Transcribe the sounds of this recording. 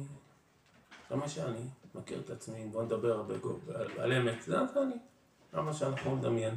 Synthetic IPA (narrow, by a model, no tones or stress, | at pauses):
zemaʃeanimakḭʁet̪at͡smibo̞ned̪abeʁabeɡo̰ala̰lemetzamaʃeani | ɡa̰maʃeanaχnumed̪amjen